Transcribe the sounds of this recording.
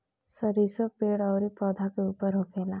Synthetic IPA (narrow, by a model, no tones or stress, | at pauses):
sʌɾisopeɽʌwɾepɔd̪ʱakoupʌɾɦokʰela